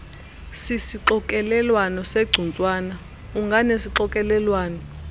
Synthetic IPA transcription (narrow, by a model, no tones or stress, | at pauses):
sisiǁɔkʼɛlɛlwanɔseɡ͡ǀʱunt͡sʼwaːna | uŋɡʱanesiǃɔkʼɛlɛlwaːnɔ